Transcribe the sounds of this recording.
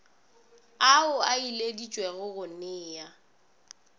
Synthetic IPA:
aʊailedit͡ʃʼwɛɣʊɣʊnɪːja

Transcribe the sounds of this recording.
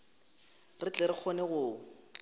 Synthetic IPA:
rɪt͡ɬɛɾɪk͡xʰɔnɛɣʊː

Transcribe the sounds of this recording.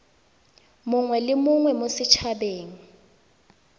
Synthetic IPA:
mʊŋwɛlɪmʊŋwɛmosɪt͡ʃʰabeːŋ̩

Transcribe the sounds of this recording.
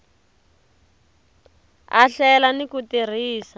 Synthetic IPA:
a̰ɬɛlanikutir̤iːsa

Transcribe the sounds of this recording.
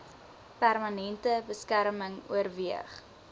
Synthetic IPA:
pærmɐnɛntəbəskæɾməŋṵərviəχ

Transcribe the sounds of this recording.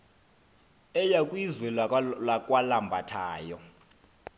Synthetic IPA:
ɛjakʼwizwɛlakʼwalambʱatʰaːjɔ

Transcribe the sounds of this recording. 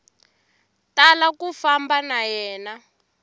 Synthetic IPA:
talakufambanajɛːna

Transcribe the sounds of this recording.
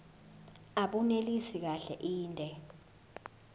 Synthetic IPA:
aɓunelisik̬aɬɛʔiːntʼɛ

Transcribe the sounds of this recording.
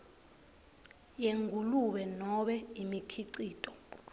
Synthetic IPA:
jeŋʱuluɓɛnɔɓɛimikʰiǀiːtʼɔ

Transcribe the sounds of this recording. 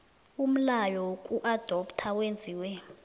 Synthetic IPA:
um̩lajɔwokʼuʔad̥ʱɔptʰawend͡zʱiːwɛ

